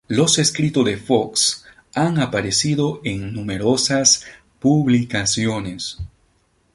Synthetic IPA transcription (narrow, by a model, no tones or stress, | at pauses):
lo̞se̞skɾit̪oðe̞fo̞ks | aŋapaɾesiðo̞eŋnume̞ɾo̞sas | puβlikasjo̞nes